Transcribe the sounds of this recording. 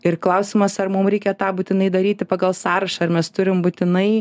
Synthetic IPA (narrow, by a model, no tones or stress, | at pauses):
ɪrklˠɐʊsʲɪmɐsɐrmʊmɾʲɛɪkʲɛt̪ɑːbuːt̪ʲɪnɐɪd̪ɐɾʲiːt̪ʲɪpɑɡɐlˠsɑːɾɐʃɐɐrmʲɛst̪ʊɾʲɪmbuːt̪ʲɪnɐɪ